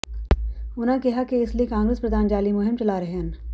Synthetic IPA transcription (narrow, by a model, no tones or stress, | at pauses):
ʊnãkɛɦakeɪsliekãːŋɡɾeːspɾɐd̪ʱaːnd͡ʒaːlimʊɦɪmt͡ʃɐlaːɾɐɦɛn